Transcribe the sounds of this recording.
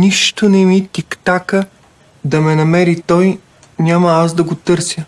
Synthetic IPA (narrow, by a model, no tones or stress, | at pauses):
niʃt̪onɛmit̪ʲikt̪akə | d̪ɐmɛnɐmɛɾit̪ɔj | nʲamɐasd̪ɐɡot̪ɤɾsʲjə